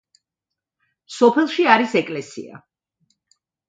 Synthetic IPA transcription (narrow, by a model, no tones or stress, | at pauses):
sɔpʰɛlˠʃiaɾisɛkʼlɛsḭa̰